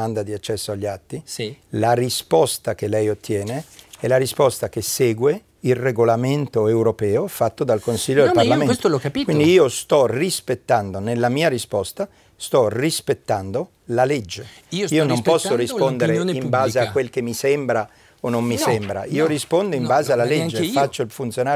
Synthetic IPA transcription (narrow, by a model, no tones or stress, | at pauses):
and̪ad̪iat͡ʃːɛsːoaʎːat̪ːilarispɔst̪akelɛjot̪ːjɛːneɛlaɾispɔst̪akesɛːɡwe | ilreɡolament̪oewɾopɛːofat̪ːod̪alkonsiʎːodlparlamẽnt̪lkːkind̪iiːost̪ɔrispet̪ːand̪onelːamiːaɾispɔst̪a | st̪ɔrispet̪ːand̪o | laled͡ʒːe | iːonompɔsːoɾispond̪eɾeimbaːzeakwelkemːisɛmbɾa | onːomːisɛmbɾa̰iːoɾispond̪oimbaːzealːaled͡ʒd͡ʒːefat͡ʃːoilfunt̪sjonaː